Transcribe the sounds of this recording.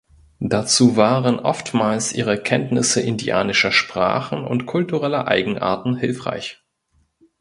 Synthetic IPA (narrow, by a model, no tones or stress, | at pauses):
d̥at͡suːvaːʁənʔɔ̰ftmaːlsʔiːʁ̞əkʰɛntnɪsəʔɪndia̰ːnɪʃɐʃpʁ̥a̰ːχn̩ʊ̰ntkʰʊltuʁɛlɐʔa̰ɪɡŋ̩ʔa̰ːɐtn̩hɪlfʁ̥a̰ɪç